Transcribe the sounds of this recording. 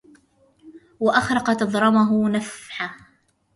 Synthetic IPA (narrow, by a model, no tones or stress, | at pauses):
waʔaxɾˤɑqɑt̪ɑðˤɾˤɑmaɦʊnafħa